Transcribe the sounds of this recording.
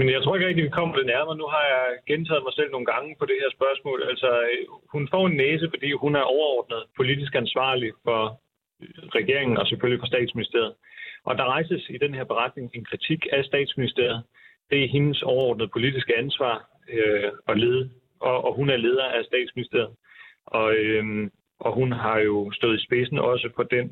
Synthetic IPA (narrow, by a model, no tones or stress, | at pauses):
menjat͡sʰo̝ɐeɡ̥ʁeɡ̥̚diʋikʰɒ̽m̰ɐd̥e̝næɐmɐnuɦɑ̈jɑɪɡ̥ent͡sʰɛ̰ːð̩ˠmɑ̈ɪsel̰no̝ːn̩ɡ̥ɑ̈ŋəpʰɒ̽d̥e̝heɐsb̥ɶɐsmɔ̰̽ːlælsɒhunfɒ̰ːe̝nːeːs̬əfɒ̽d̥ḭːhunæɐʔɒʊɐɒːd̥nəð̞̩ˠpʰo̝lidis̬ɡ̥ænsʋɑ̰̈ːlifɒ̽ | ʁɛɡ̥e̝ɐ̰eŋn̩ɒ̽seføllifɒ̽sd̥ɛ̰ːd̥sminisd̥e̝ɐð̞̩ˠʔɒ̽d̥ɑ̈ʁɑ̈ɪsəsid̥enhe̝ɐ̰b̥e̝ʁɑ̈d̥ne̝ŋe̝nkʰʁit͡sʰiɡ̥æsd̥ɛ̰ːd̥sminisd̥e̝ɐ̰ð̞̩ˠ | d̥e̝æɐɦe̝nəsɒʊɐɒ̰ːd̥nəð̞̩ˠpʰo̝lid̥isɡ̥əænsʋɑ̰̈ː | ɒ̽le | ɒʔɒɦunæɐle̝ːð̞ˠɐʔæsd̥ɛ̰ːd̥sminisd̥e̝ɐð̩ˠɒ̽ø | ʔɒ̽ɦunɦɑ̈jo̝sd̥ɔ̽ːð̩ˠisb̥e̝sn̩ʔɒ̽səpʰɒ̽d̥en